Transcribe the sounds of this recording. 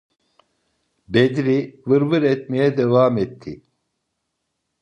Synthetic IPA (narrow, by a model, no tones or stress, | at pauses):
bed̪ɾivɯɾvɯɾɛt̪mejɛd̪evaːmɛt̪ʰːi